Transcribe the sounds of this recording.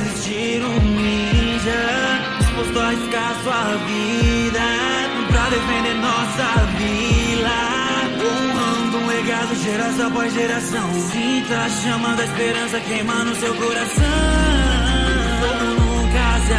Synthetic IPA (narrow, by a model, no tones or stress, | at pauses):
zist͡ʃiɾumild͡ʒɐ | post̪oaiskasʊa | vi | d̪ɐ | pɾɐd̪efẽnd̪eɾnɔsɐvi | d̪ɐ | õ | ɐ̃d̪ũeɡad̪ʊʒeɾasɐ̃pɔzʒeɾasɐ̃w̃sĩt̪ɐ | ʃɐ̃mɐ̃d̪ɐispeɾɐ̃sɐkejmɐ̃nʊsewkoɾasɐ̃w̃ | õkaza